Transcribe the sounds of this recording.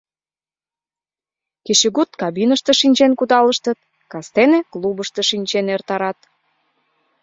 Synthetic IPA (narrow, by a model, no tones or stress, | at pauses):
keɕĕɡut̪kɑbinəʃt̪ĕʃinʲt͡ɕenkud̪ɑləʃt̪ə̆t̪̚ | kɑst̪enĕklubəʃt̪ɤʃinʲt͡ɕenert̪ɑɾɑt̪̚